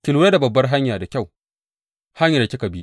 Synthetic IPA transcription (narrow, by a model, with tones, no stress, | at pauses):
tɪ˨lu˨ɾa˦da˨bɐ˨bːɐ˦rɦa˦ɲjaː˨da˨kʲa˦˨w | ha˦ɲja˨da˨kʲɪ˦kɐ˨bi˦